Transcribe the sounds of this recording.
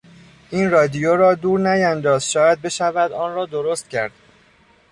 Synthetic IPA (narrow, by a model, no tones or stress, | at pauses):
ʔiːnrɒːd̪ijoɾɒːd̪uːɾnæjænd̪ɒːzʃɒːjæd̪̚be̞ʃævæd̪ɒːnrɒːd̪oɾost̪̚cʰæ̰ɾd̪̥